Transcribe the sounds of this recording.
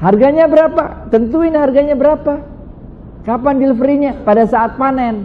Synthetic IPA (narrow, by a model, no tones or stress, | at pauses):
harɡaɲabəɾapa̰t̪ənt̪uɪnɦarɡaɲabəɾapa | kapanbiləfəɾiɲapadasaːt̪̚panɛn